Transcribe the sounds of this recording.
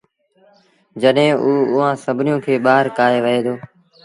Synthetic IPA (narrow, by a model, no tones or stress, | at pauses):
d͡ʒəɗɦẽːʔuːʊːãːsəbʱnɪjõːkʰeːɓaːɦəɾkaːɦeːʋəɦeːd̪oː